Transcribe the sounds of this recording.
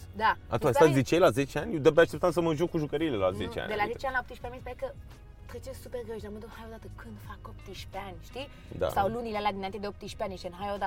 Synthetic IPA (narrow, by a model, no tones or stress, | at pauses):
d̪aa̰t̪uasazet͡ʃejlazet͡ʃeanʲd̪əp̚d̪eaʃt̪ept̪ansəməʒukkuʒukəɾijlela̰zḛt͡ʃa̰nʲd̪elazet͡ʃeanʲlaop̚t̪iʃpʲamispaekə | t̪ɾet͡ʃesuperɡɾəʃd̪arməd̪ohajod̪at̪əkʰɨnd̪fakopt̪iʃpeanʲʃt̪i | d̪a̰ssawlunilalad̪inant̪ed̪eop̚t̪iʃpeaniʃenɦajod̪a